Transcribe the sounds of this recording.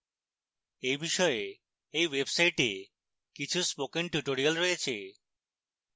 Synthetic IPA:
ejbiʃɔe | ejwebsajʈḛ | kit͡ɕʰuspokeŋʈuʈoɾialɾojet͡ɕʰḛ

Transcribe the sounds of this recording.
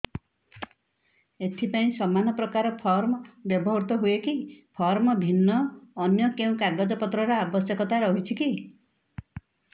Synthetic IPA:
et̪ʰipaĩsɔmanɔpɾɔkaɾɔpʰɔɾmɔbjɔbɔɦɔɾt̪ɔɦuekipʰɔɾmɔbʱinːɔːnjɔkeũkaɾɡɔd͡ʒɔpɔt̪ɾɔɾɔabɔsjɔkɔt̪aɾɔɦit͡ʃʰiki

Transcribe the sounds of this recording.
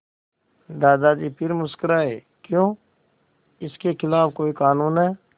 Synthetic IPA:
d̪aːd̪ad͡ʒiːpʰɪɾmʊskəɾaɦḛː | kjõː | ɪskexɪlaːfkoːikaːnuːnɦɛː

